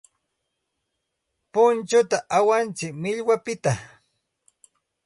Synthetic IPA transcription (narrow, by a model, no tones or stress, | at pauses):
pʊnt͡ʃʊt̪aʔawant͡sɪkmɪʎwapɪt̪a